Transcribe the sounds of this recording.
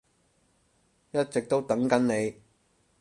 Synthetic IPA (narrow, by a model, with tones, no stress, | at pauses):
jɐ˥t̚t͡sɪ˨k̚t̪o˥wt̪ɐ˨˥ŋkɐ˨˥nne˨˧j